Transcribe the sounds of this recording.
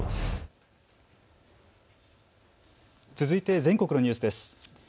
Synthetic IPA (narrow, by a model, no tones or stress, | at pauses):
t͡sɨzɨit̪e̞zẽ̞ŋko̞kɯno̞ɲ̟ɨːsɨd̪e̞sɨ̥